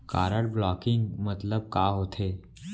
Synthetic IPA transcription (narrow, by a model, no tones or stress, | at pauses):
ka̰ːɾəɽblɔːkɪ̃ŋɡmɐt̪ləb̚kaːɦoːt̪ʰeː